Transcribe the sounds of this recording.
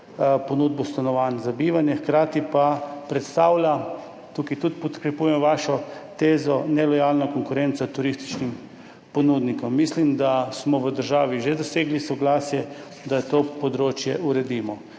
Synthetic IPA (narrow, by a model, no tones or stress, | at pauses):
ponuːd̪̚bɔst̪anɔʋanzabiːʋanjɛxkɾaːt̪ipapɾɛt̪st̪aːwlʲa | t̪ukit̪ut̪pɔt̪kɾɛpujɛmʋaːʃɔt̪eːzɔnɛlɔjaːlnɔkɔŋkʊɾɛnt̪sat̪uɾist̪i̥t͡ʃnim | pɔnud̪nikɔmːislimd̪asmɔʋəd̪əɾʒaːʋiʒed̪ɔseːɡlisɔɡlaːsjɛ | d̪at̪oːpɔd̪ɾoːt͡ʃjɛʔuɾɛd̪iːmɔ